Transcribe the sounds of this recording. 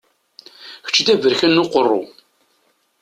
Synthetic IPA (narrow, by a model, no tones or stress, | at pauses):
çə̥t͡ʃːd̪ævəɾçənːʊqərˤːʊ̰